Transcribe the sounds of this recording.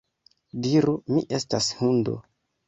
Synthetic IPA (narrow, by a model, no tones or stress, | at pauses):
diɾumiʔe̞stashundo̰